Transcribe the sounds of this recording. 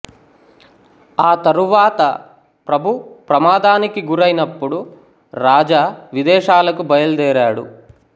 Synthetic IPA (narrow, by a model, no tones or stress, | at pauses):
aːt̪ɐɾuʋaːt̪ɐ | pɾɐbʱupɾɐmaːd̪aːnikiɡuɾɐjnɐpːuɽu | ɾaːd͡ʒaʋid̪ɛːʃaːlɐkubɐjɐld̪ɛːɾaːɽṵ